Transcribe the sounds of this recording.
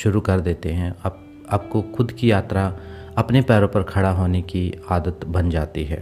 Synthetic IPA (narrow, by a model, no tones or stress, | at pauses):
ʃʊɾukɐɾd̪eːt̪eɦɛ̃ɐ | apkoxʊd̪kijaːt̪ɾa | ɐpnepɛːɾõpɐɾkʰɐɽaɦoːnekiaːd̪ət̪bɐnd͡ʒaːt̪iɦɛ̰ː